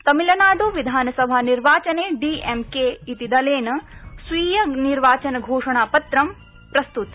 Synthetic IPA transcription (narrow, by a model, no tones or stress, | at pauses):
t̪ɐmilɐnaːɖoːʋid̪ʱaːnɐsɐbʱaːniɾʋaːt͡ʃɐneːɖiːʔemkeːit̪id̪ɐleːnɐsʋiːjɐniɾʋaːt͡ʃɐnɐɡʱoːʂɐɳ̃aːpɐt̪ɾɐm | pɾɐst̪ut̪